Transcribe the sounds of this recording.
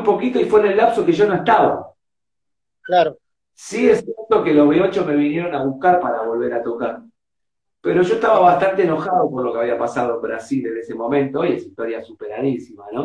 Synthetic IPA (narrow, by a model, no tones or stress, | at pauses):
mpo̞kit̪o̞ifwenelːapsokeʒono̞eht̪aβa̰ | klaɾo | siesjeɾt̪o̞ke̞lo̞zβeot͡ʃome̞βinjeɾo̞naβuhkaɾpaɾaβo̞lβ̞e̞ɾat̪o̞kaɾm | pe̞ɾo̞ʒo̞eht̪aβaβast̪ant̪eːno̞xaðoporlo̞keaβiapasað̞oembɾasile̞ne̞se̞mõ̞mẽ̞nt̪o̞iesiht̪o̞ɾjasupeɾaðisimano̞